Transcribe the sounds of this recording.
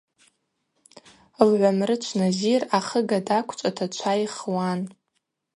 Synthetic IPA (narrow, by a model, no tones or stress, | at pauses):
lʕʷamrɨt͡ʃʷʰnaziraχəɡadakʷʰt͡ʃʷʼatʰat͡ʃʷʰajχwan